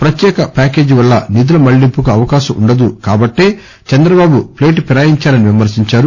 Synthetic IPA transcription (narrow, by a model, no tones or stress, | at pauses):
pɾɐt̪jɛːkɐpʲaːke̞ːd͡ʒiʋɐɭːɐnid̪ulɐmɐɭːimpukuɐʋɐkaːʃɐmʔṵɳɖɐd̪ukaːbɐʈːe̞ː | t͡ʃɐnd̪ɾɐbaːbuple̞ːʈpiɾaːjiɲt͡ʃaːlɐniʋimɐɾsiɲt͡ʃaːɾu